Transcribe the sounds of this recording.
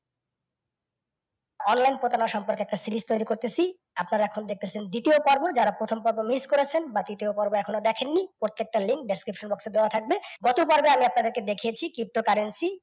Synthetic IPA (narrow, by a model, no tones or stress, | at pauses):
ɔnlajnpɾot̪anaʃɔmpoɾkeɛk̚ʈasilist̪ojɾikoɾt̪et͡ɕʰi | apnaɾaɛkʰonod̪ek̚t̪et͡ɕʰend̪it̪iopɔɾbod͡ʑaɾapɾot̪ʰompɔɾbomiskoɾet͡ɕʰenbad̪it̪iopɔɾboɛkʰonod̪ɛkʰenːipɾoɾt̪ːek̚ʈaliŋk̚ɖeskɾipʃonbɔksed̪eoat̪ʰak̚beɡɔt̪opɔɾbeamiapnad̪eɾked̪ekʰiet͡ɕʰikɾip̚ʈokaɾensi